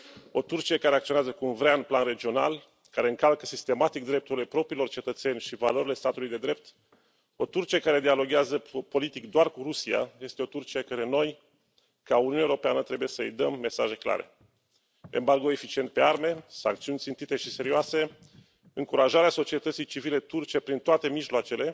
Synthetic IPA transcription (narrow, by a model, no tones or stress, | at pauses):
o̞t̪urt͡ʃiekaɾe̞akt̪sioeazəkuunvɾeanplanre̞d͡ʒio̞na̰l | kaɾe̞ɨŋkalkəsist̪e̞mat̪ik̚d̪ɾe̞p̚t̪uɾile̞pɾo̞pɾiːlo̞rt͡ʃe̞t̪ət̪se̞nʲʃiva̰lo̞ɾile̞st̪at̪ulujd̪e̞d̪ɾe̞p̚t̪ | o̞t̪urt͡ʃiekaɾe̞d̪ialo̞ɡʲeazəpo̞lit̪ikd̪oarkuɾusia̰je̞st̪e̞o̞t̪urt͡ʃiekəɾeno̞j | kauniunewoɾo̞peanət̪ɾe̞buje̞səɨ̰jd̪əmːe̞saʒe̞kla̰ɾe̞̰ | ḛmbarɡoe̞fit͡ʃie̞nt̪̚pe̞arme̞sa̰ŋkt̪siunʲsint̪it̪e̞ʃise̞ɾioase̞ | ɨŋkuɾaʒaɾeaso̞t͡ʃie̞t̪ət̪sijt͡ʃivile̞t̪urt͡ʃiepɾint̪oat̪e̞miʒloat͡ʃe̞le̞